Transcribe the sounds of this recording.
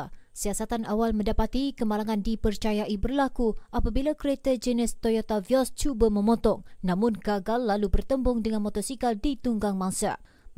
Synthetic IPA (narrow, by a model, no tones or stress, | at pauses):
siasat̪anawalmə̃ndapat̪ikəmalaŋandipərt͡ʃajaʔibərlakuʔapabilakəɾet̪əd͡ʒənɪst̪ojot̪aviɔst͡ʃubamə̃mɔt̪ɔŋnãmʊnɡaɡalːalubərt̪əmbʊŋdəŋanmɔt̪ɔsikaldit̪uŋɡaŋmãŋsa̰